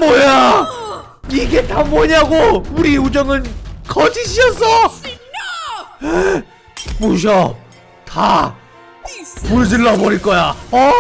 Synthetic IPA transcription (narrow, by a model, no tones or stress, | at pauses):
mʌja | iɡetamʌɲaɡouɾiud͡ʑʌŋɯnkʌd͡ʑiɕʰiʌs͈ʰʌ | e | moɕ̬ʰʌ | ta | muɭd͡ʑɯɭːʌbʌɾiɭk͈ʌjaʌ